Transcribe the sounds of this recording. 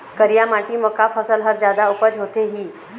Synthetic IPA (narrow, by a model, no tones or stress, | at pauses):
kəɾijamaʈiːməkapʰəsəlɦəɾd͡ʑjad̪aupəd͡ʑɦot̪eɦiː